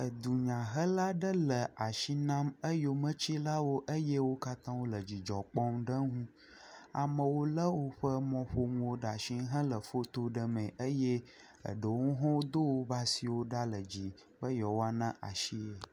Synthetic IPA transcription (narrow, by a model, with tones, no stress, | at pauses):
ə˨d̪u˨ɲã˨ɦə˦la˦ɖə˦lə˨a˨ʃi˦nã˦mə˦jo˨mə̃˦t͡ɕi˦la˦wo˦ʔə˦jɛ˦wo˦ka˦t̪ã˦wo˦lə˨d͡ʑi˨d͡ʒɔ˨k͡pɔ˦mɖə˦ŋũ˦ | a̰˨mə̃˨wo˦lə˦wo˦ɸə˦mɔ̃˨ɸo˦mũ˦wo˦ɖa˨ʃi˦ɦə̃˦lə˨fo˦t̪o˦ɖə˨mə̃˨ʔə˦je˦ | ə̰˨ɖə˨wo˦ɦɔ̃˦wo˦d̪o˦wo˦ba˦si˨wo˦ɖa˦lə˨d͡ʑi˨ | bə˦jɔ˨wo˦a˦nã˦ʔa̰˨ʃi˦e˨